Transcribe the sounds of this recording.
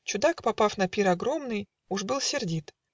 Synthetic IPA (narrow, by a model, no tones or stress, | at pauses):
t͡ɕʊd̪akpɐpafn̪ɐpʲiɾɐɡɾo̞mnɨj | uʐbɨlˠsʲɪrdʲit̪